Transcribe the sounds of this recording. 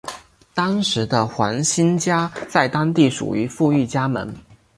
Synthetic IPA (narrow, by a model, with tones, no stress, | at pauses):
t̪ɑ˥ŋʂɻ̩˧˥d̪ə˧xwa̰˧˥nɕi˥nt͡ɕja˥t͡sa˥˩ɪt̪ɑ˥ŋt̪i˥˩ʂṵ˨˩y˧˥fu˥˧y˥˩t͡ɕja˥mə̰˧˥n